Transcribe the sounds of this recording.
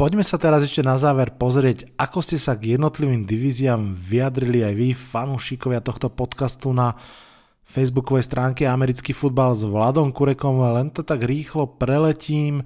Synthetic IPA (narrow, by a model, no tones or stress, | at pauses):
pɔɟmɛsat̪ɛɾazɛʃcɛnazaːʋɛɾpɔzɾɪɛɟʔakɔscɛsaɡjɛd̪nɔt̪liʋiːmd̪iʋiːziamʋiad̪ɾiliajʋifanuːʃikɔʋɪat̪ɔxt̪ɔpɔt̪kast̪una | fɛjzbukɔʋɛjst̪ɾʔaːŋkɛamɛɾit͡skiːfud̪̚balzʋlad̪ɔmkuɾɛkɔmlɛnt̪ɔt̪aɡɾiːxlɔpɾɛlɛciːm